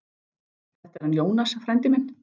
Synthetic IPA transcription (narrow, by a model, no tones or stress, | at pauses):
θɛr̥t̪ɛɾ̥hanjoːwnasafɾɛnt̪ɪmɪn